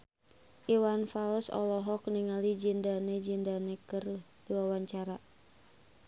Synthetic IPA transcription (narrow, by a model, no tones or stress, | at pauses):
ʔiwanfalsɔ̰lɔɦɔk̚niŋalid͡ʒindanɛd͡ʒindanɛkərh | duawaɲt͡ʃaɾa